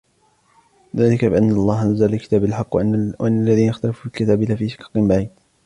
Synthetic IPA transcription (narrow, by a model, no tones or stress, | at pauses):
ðaːlɪkabɪʔanːlˤːɑːhʔazːalɪlkɪ̥t̪aːbalħɑqːwʔanːalːaðiːnaxt̪alafuːbɪlkɪt̪aːbɪlaːfiːʃɪ̥kɑ̥qɨnbaʕiːd̪